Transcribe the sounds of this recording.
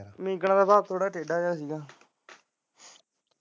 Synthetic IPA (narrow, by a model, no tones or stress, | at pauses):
mĩːɡəɳ̃d̪aːbaːk̚t̪ʰoːɽaːʈeːɖaːd͡ʒaːsiːɡaː